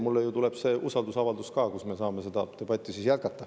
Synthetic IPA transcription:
mulːejut̪ule̞b̥se̞ːʔusɑld̪usɑvɑld̪uskɑːkusme̞sɑːme̞se̞d̪ɑt̪e̞bɑt̪ʲːˑisiːsjæt̪̚kɑt̪ːˑɑ

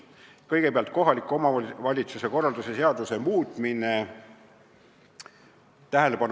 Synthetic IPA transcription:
kɤjɡe̞peɑlt̪̚ˑko̞ɦɑlikːuo̞mɑvɑlʲit̪suse̞ko̞rːɑld̪use̞se̞ɑd̪̥use̞muːt̪ˑmine | t̪æɦelepɑn

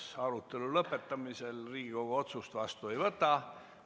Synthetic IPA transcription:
ɑɾut̪ːˑe̞lulɤpːˑe̞t̪ːɑmise̞lriːɡ̥iko̞ɡ̥oo̞t̪sust̪vɑst̪ue̞jvɤt̪ːˑɑ

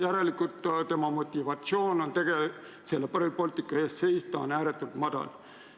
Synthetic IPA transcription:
jæɾe̞likˑut̪t̪e̞mɑmo̞t̪ʲːivɑt̪sio̞ːno̞nt̪e̞ɡ̥e | se̞lːepɑripo̞lʲt̪ikːˑɑeːst̪se̞jst̪ɑːnæːɾet̪ːˑult̪mɑd̪̥ɑ̰l

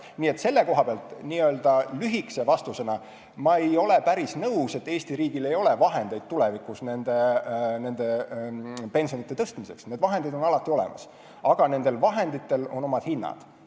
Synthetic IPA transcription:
niːe̞t̪ːse̞lːe̞ko̞ɦɑb̥eɑlt̪ˑniːø̞ːld̪̥ɑlyɦikse̞vɑst̪use̞nɑ | mɑejo̞lepæɾisnɤwse̞t̪ːe̞ːsʲt̪iɾiːɡ̥ile̞jo̞levɑɦe̞nd̪̥e̞jd̪̥̚t̪ulevikusne̞nd̪̥e̞ne̞nd̪e̞ | pe̞nsio̞nit̪ːˑe̞t̪ɤst̪mise̞ksne̞ːd̪vɑɦe̞nd̪id̪̥o̞nɑlɑt̪ːˑio̞lḛmɑ̰s | ɑɡ̥ɑne̞nd̪̥e̞lvɑɦe̞nd̪it̪ːe̞lo̞no̞mɑd̪̥hinːɑ̰d̪̥

